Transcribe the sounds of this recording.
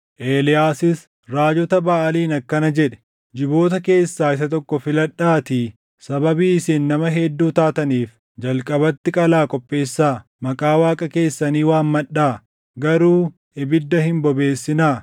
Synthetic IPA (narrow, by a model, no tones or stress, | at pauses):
ʔeːlɪjaːsɪs | ɾaːd͡ʒɔt̪ɐbɐʔɐliːnɐkːɐnɐd͡ʒɛᶑɛ̥ | d͡ʒɪbo̞ːt̪ɐke̞ːsːaːɪs̬ɐt̪ɔkːɔfɪlɐᶑːaːt̪i | sɐbɐbiːɪsiːnːɐmɐɦɛd̪ːuːt̪aːt̪ɐniːf | d͡ʒɐlkʼɐbɐt̪ːɪkʼɐlaːkʼɔpʼːe̞ːsːaː | mɐkʼaːwaːkʼɐke̞ːsːɐniːwaːnmɐɗaː | ɡɐɾuː | ʔɪbɪd̪ːɐhɪmbɔbe̞ːsːɪnaː